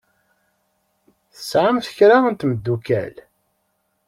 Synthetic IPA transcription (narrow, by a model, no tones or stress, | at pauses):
θəsʕamθəçɾaənt̪məd̪ːukæ̰l